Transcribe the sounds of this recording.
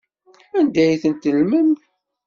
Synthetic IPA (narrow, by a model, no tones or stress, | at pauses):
ænd̪æjθənt̪lməm